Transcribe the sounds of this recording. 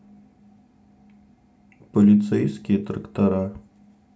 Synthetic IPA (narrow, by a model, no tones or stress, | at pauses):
pɔlʲit̪sɛjsʲkʲit̪ɾɐkt̪ɐɾa